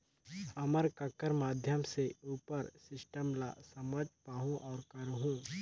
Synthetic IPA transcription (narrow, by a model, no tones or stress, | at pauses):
ɐməɾkəkəɾmaːd̪ʱjəmseuːpəɾsɪsʈəmla̰sɐməd͡ʒpaːɦũʔɔːɾkɐɾɦũː